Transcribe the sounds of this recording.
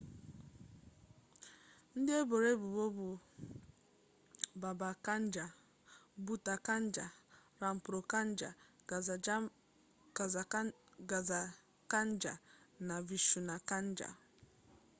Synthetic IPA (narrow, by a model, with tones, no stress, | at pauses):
n̩˦dɪ˦e˦bo˨ɾe˦bu˨bo˦bu˨ | ba˨ba˨ka˦n˦d͡ʒa˨ | bu˦ta˨ka˦n̩˦d͡ʒa˨ɾa˨m̩˨pɾo˨ka˦n̩˦d͡ʒa̰˨ | a˨ɡa˨za˨ | ka˦n̩˦d͡ʒa̰˨na˨vi˨ʃu˨na˨ka˦n̩˦d͡ʒa̰˨